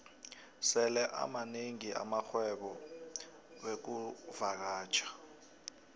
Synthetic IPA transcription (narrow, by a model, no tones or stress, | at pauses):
sɛlɛʔa̰maneŋiʔa̰mak͡xʰwɛɓɔ | ɓek̬uvak̬aːt͡ʃʰʼḁ